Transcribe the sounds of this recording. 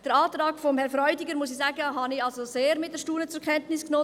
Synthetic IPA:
d̥əɾɑːt̪ɾɑːkfɔmhɛɾfɾɔʏdiɡəɾmusisæːɡəɦɑnɪɑlsoseːɾmɪt̚d̥əɾʃtuːnət͡sʊɾkʰɛntnɪsknoː

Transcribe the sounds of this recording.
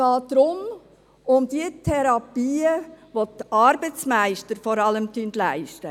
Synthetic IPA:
ɑːtd̥ɾʊm | ʊmd̥iətʰɛɾɑpiːəʋot̪ɑɾbət͡smæɪʃtəɾfɔɾɑləmt̪yntlæɪʃtə

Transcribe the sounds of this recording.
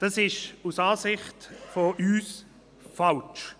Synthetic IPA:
d̥ɑsɪʃusaːsɪχtfoʔyːs | falt͡ʃ

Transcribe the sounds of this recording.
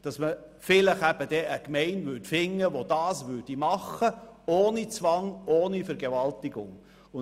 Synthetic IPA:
d̥ɑsmə | fɪləχæb̥əd̥ɛʔəkmɛɪnʋʏtfɪŋːəʋod̥ɑːsʋʏːd̥imɑχəoːnit͡sʋɑŋoːnifɛɾɡɛʋɑltiɡʊ̰ŋ | ʊ

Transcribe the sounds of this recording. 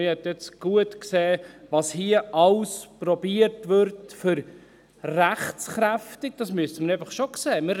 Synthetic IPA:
ɪhɛt̪ɛt͡sɡ̥uətkseːʋɑshiəʔɑwspɾɔbiəɾtʋʏɾtfʏɾ | ræχt͡sχɾæftɪk̚d̥ɑsmyəstəməɾeɪfəχʃokseːmɪ

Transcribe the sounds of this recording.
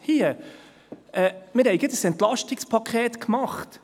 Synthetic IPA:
hiːə | ɛmɪːɾhɛɪɡɪtdəsɛntlɑʃtɪkspʰɑkʰeːtkmɑχt

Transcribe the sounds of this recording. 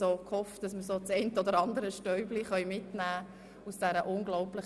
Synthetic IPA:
oːkhɔfd̥ɑsməɾsoːt͡sɛɪntəɔd̪əɾɑndəɾəʃtœʏbliχœʏmɪtnæː | usd̥æɾəʔʊŋɡlɔʊplɪχ

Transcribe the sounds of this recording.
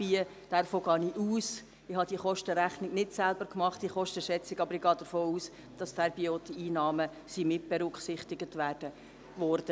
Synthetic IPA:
b̥iə | d̥ɛrfoːɡɑːniʔuːs | ɪhɑd̥iəχɔʃtəɾæχnɪɡnɪtsælb̥əɾkmɑχtiχɔʃtəʃɛt͡sɪɡɑbəɾɪɡɑːd̥əɾfoːuːs | d̥ɑstɛɾbioːt̪əiːnɑːmə | simɪt̚b̥ɛɾʏkχsɪχtɪɡətʋæːrd̥ə | ʋɔrd̥ə

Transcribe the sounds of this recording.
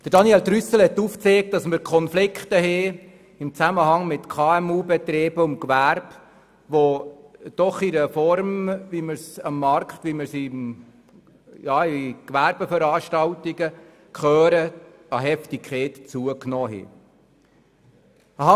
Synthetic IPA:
d̪̥əɾd̥ɑniɛlt̪ɾysəl̩hɛt̪ːuːft͡seːk̚t̚dɑsməɾkʰχɔnflɪkχt̪əɦɛ | ɪmt͡sæməɦɑŋmɪtkʰɑːɛmuːbɛt̪ɾeːbəʊmkʋæɾb | ʋod̥ɔχiɾəfɔɾmʋiməɾsɑmːɑrkχt̪ʋiməɾsim | jɑːikʋæɾbəfəɾɑːʃtɑwtiɡə | kχœːɾə | ɑɦɛftikʰɛːt̪t͡suəknɔːɦɛ̰ | əɦɑ

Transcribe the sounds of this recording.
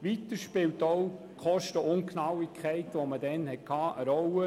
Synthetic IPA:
ʋitəɾʃpɪltɔʊ | kχɔʃtəʊŋkʰnɑwikʰχɛɪtʋomədɛnhɛt̚kʰɑːʔəɾɔwə

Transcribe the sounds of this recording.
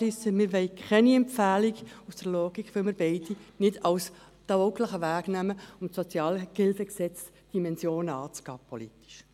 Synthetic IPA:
ɪsəmɪɾʋɛɪkʰχɛniɛmpfæːliɡusd̥əɾloːɡ̥ikχʋɪlməɾb̥ɛɪdinɪdɑws | d̥̪ɑokləχəʋæːɡ̥næməʊmtsɔt͡sjɑːlkɪlfɛksɛt͡s | d̥imɛnsjoːnəɑːt͡sɡ̥ɑ̰ːpʰolit̪i̥ʃ

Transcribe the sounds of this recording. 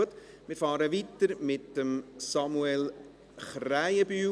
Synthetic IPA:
ət̪ | mɪːɾfɑːɾəʋit̪ːəɾmɪt̪ːəmsɑmuɛl | χræɪəbyː

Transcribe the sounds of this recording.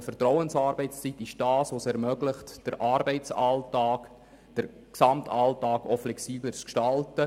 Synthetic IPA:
fərtrɔʊənsɑːɾb̥ɛɪt͡st͡sitɪʃd̥ɑːsʋosɛɾmœɡlɪχtd̥əɾʔɑːɾbɛɪt͡sɑltɑːk | d̥əɾ | ksɑmtʰɑltɑːɡɔflɛksiːblət͡skʃtɑltə

